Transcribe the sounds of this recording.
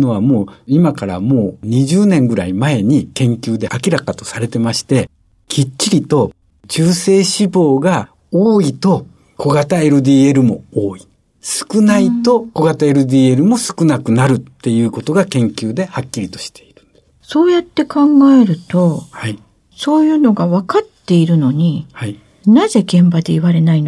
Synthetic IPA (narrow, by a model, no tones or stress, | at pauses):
no̞βamo̞ːimakaɾa̰mo̞ːɲ̟iʑɨːnẽ̞ŋɡɯ̟ɾaimae̞ɲ̟ikẽ̞ŋkʲɨːd̪e̞ʔakʲiɾakat̪o̞saɾe̞t̪e̞maɕi̥t̪e̞ | kʲʰit͡ɕːiɾʲit̪o̞ | d͡ʑɨːse̞ːɕibo̞ːɡa | oːit̪o̞ | kʰo̞ɡat̪ae̞ɾɯ̟d̪iːe̞ɾɯ̟mo̞oːi | sɨ̥kɯ̟nait̪o̞ko̞ɡat̪ae̞ɾɯ̟d̪iːe̞ɾɯ̟mo̞sɨ̥kɯnakɯ̟naɾɯ̟t̪ːe̞jɯ̟ːko̞t̪o̞ɡakẽ̞ŋkʲɨːd̪e̞hakʲːiɾʲit̪o̞̥ɕi̥t̪e̞iɾɯ̟̃nd̪̥e | so̞ːjat̪ːe̞kãŋɡae̞ɾɯ̟t̪o̞ha | so̞ːjɯ̟ːno̞ɡaβakat̪ːe̞iɾɯ̟no̞ɲ̟iha | naze̞ɡẽ̞mbad̪e̞iβaɾe̞naino